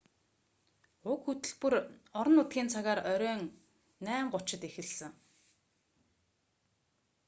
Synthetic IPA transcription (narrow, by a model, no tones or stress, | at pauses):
ʊkxɵt̪ɘ̆ɮpŭrɔɾɞ̆nʊt̪ɡʲiːnt͡sʰaɣaːɾœɾʲœːŋ | næːɴɢʊt͡ɕɪ̆t̪exɘ̆ɮsɘ̆ŋ